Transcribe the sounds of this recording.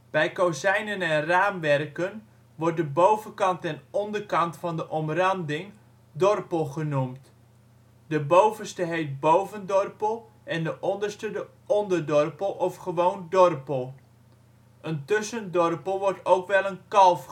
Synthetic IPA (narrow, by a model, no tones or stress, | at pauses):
b̥ɛjkowzɛjnənɛnraːmʋɛrkən | ʋɔrt̚dəbowvənkɑntɛnɔndərkɑntfɑndəʔɔmrɑndɪŋ | dɔrpəlˠχənumt | dəbowvənstəɦejt̚bowvəndɔrpəlˠ | ʔɛndəʔɔndərstədə | ɔndərdɔrpəlˠɔfχəʋowndɔrpəlˠ | ʔəntʏsəndɔrpəlˠʋɔɹtowkʋɛlˠənkɑlˠf